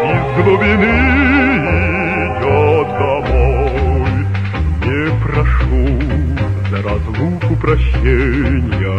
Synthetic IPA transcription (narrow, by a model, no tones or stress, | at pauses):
izlˠɔbʲinɨ | i | d̪ʲɔd̪ɐmɔj | nʲɛpɾaʂu | d̪ɐɾazlˠukupɾaɕɛnʲjɐ